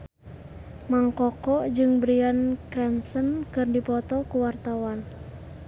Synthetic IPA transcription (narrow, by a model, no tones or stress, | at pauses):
maŋkɔkɔd͡ʒɨŋbɾiankɾɛnsənkɨrdipɔt̪ɔkuwart̪awan